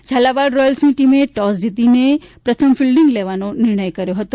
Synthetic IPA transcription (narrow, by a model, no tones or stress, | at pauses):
d͡ʒʱalabaɖɾɔjəlsniʈimeʈɔsd͡ʒit̪inepɾət̪ʰəmfilɖiŋɡleʋanonɪɾɳ̃əjkəɾjoɦət̪o